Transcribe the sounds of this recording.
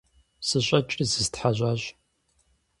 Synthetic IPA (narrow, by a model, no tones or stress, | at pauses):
sɨɕʼɐt͡ʃʼizɨztħaʑʷʼaːɕʼ